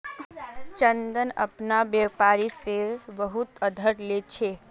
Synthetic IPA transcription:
t͡ʃənd̪ənə̰pnabjepaːɾisebəɦut̪əd̪ʱəɾlet͡ʃʰe

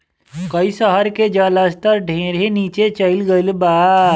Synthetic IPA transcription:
kəisəɦəɾked͡ʒaːlaːst̪əɾɖʱẽːɾeniːt͡ʃet͡ʃəɪlɡəɪlbaː

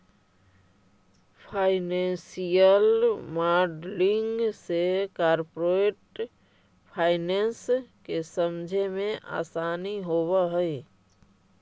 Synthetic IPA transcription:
pʰaːɪnẽːnsijəlmaːɾɖlɪ̃ŋɡsekaːɾpoɾeːʈ | pʰaːɪnẽːnskesəmd͡ʒʱemẽʔa̰ːsaːniɦoːwaɦɛi

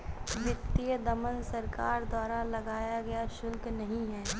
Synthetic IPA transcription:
ʋɪt̪ːiəd̪ɐmənsɐɾkaːɾd̪waːɾalɐɡaːjaɡɐjaʃʊlknɐɦĩɦɛː

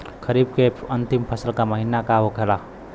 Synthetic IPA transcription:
kʰəɾib̚keənt̪impʰəsəlkaməɦinakaɦokʰela

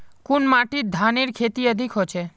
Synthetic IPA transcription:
kunmaʈid̪ʱaniɾkʰet̪iəd̪ʱikɦot͡ʃʰe

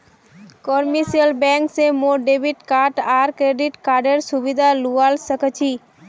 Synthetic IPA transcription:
kɔɾmisiəlbɛ̃ŋksemoɖebiʈkaʈaɾkɾeɖiʈkaɾɖeɾsubid̪ʱalualsəkt͡ʃʰi

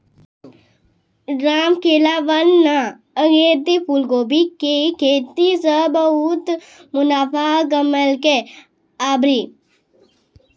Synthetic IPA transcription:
ɾaːmkeːlaʋɐnːa | əɡeːt̪ipʰulɡoːbikekʰeːt̪isəbəut̪ | mʊnaːfʰaɡɐməlke | aːbɾi

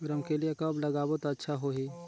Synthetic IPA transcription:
ɡɾəmkeliekɐblɐɡaːbət̪ɐtːʃʰaɦoɦiː

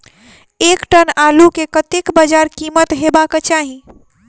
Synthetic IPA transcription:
ekʈənalukekət̪ekbəd͡ʒaɾkimət̪ɦebaket͡ʃaɦi

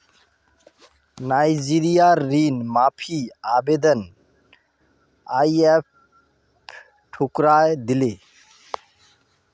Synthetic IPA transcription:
najd͡ʒiɾijaɾːinmapʰiabed̪ən | ajep̚ʰ | ʈʰukɾajd̪ile

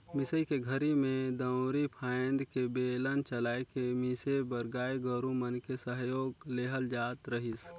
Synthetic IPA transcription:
mɪsəikeɡʱəɾimẽd̪ə̃ʊɾipʰaːnd̪kebeːlənt͡ʃəlaːekemisebəɾɡaːjɡəɾũmənkesəɦjoːɡleːɦəld͡ʒaːt̪ɾəɦɪs

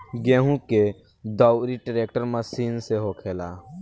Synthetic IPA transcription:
ɡɛ̃ːɦũke | d̪ɔːʊɾiʈɾeːkʈəɾməsiːnseɦoːkʰeːlaː

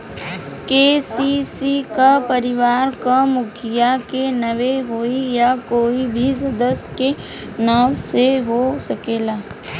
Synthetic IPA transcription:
keːsisikapəɾɪʋaːɾkamʊkʰɪjakenɐʋeɦoːijakoːibʱisɐd̪əske | nəwseɦosɐkeːlaː

